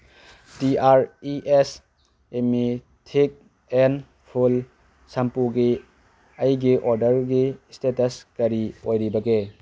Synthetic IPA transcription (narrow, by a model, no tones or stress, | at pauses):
tiaɾiʔes | emi | tʰik̚ | en | pʰul | sampuɡi | ɐjɡiʔoɾdɐɾɡistetɐskɐɾiojɾibɐɡe